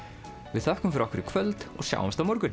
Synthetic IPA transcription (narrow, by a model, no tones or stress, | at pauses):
vɪðθœhkʏmfɪɾɔkɪɾɪkʰv̥œlt̪ɔ̰ɣsja̰ːwa̰mst̪awmɔɾkʏn